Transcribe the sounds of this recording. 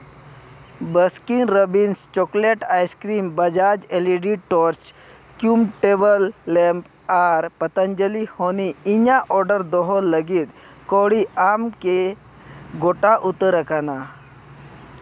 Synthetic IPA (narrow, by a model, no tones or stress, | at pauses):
bəskiŋɡɾəbinst͡ɕɔkleʈajskɾiːmbəd͡ʒad͡ʒeliɖiʈɔɾt͡ʃ | kjumʈebəlːɛmp | aɾpət̪ənd͡ʒəlihoniiɲaʔɔɾɖəɾd̪ɔɦɔlːəɡiːt̪ | koɽiamke | ɡoʈaʔut̪əɾəkana